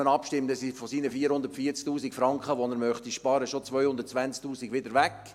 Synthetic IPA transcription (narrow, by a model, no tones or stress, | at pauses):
ənɑpʃtɪmtəsifɔsiːnəfiːɾhʊnd̪əɾtfiːət͡sk̚tuːsikfɾɑŋkχəʋɔnəɾmœχtiʃpɑːɾəʃot͡sʋœʏhʊndəɾtt͡sʋænt͡sktuːsiɡʋɪdəɾʋæk